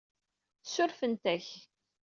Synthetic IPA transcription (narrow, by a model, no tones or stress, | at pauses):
θsʊɾfənt̪æç